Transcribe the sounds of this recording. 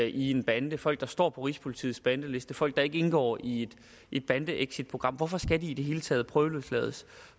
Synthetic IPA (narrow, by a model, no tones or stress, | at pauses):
ʔie̝nb̥ænd̥əfɒ̽l̰ɡ̥̚d̥ɑsd̥ɒ̰ːpʰɒ̽ʁispʰolit͡sʰḭːsb̥ænd̥əle̝sd̥əfɒ̽l̰ɡ̥̚d̥ɑ̈e̝ɡ̥əe̝nɡ̥ɒ̰ːied̥ | ʔed̥̚b̥ænd̥əʔeɡ̥sid̥̚pʰʁo̝̥ʁɑ̈m̰ʋɒfɒ̽sɡ̥ædiːde̝ɦe̝ːlət͡sʰɛ̰ːð̞̩ˠpʰʁœʊluð̩ˠslɛ̰ːð̞ˠs